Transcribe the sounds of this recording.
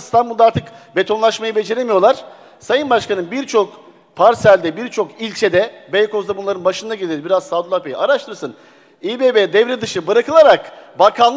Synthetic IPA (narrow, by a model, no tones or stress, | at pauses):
st̪ʰanbuld̪aɾt̪ʰɯkbe̞t̪ʰo̞nlˠaʃmajɯbe̞d͡ʒe̞ɾemijo̞lˠaɾ̝̥ | sajɯnbaʃkʰanɯnbiɾt͡ʃʰo̞k | pʰaɾsælʲd̪ɛbiɾt͡ʃʰo̞kilʲt͡ʃʰed̪ɛbejkʰo̞zd̪abunlˠaɾɯnbaʃɯnd̪aɟelʲeɾbiɾazsavd̪lˠape̞jḭaɾaʃt̪ʰɯɾsɯn | ibebed̪ɛvɾɛd̪ɯʃɯbɯɾakʰɯlˠaɾakbakʰan